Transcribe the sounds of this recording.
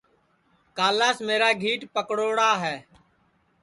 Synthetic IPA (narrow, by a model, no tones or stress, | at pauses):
kaːlaːsmeːɾaːɡʱiːʈpəkɽoːɽaːɦɛː